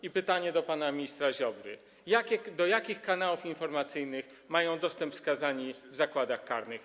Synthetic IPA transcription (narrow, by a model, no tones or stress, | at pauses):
ipɘt̪aɲɛd̪ɔpanamʲɲist̪ɾaʑɔbɾɘ̰ | jakʲɛd̪ɔjakʲixkanawufinfɔɾmat̪sɘjnɘxmajɔ̃w̃d̪ɔst̪ɛmpskazaɲivzakwad̪axkaɾnɘx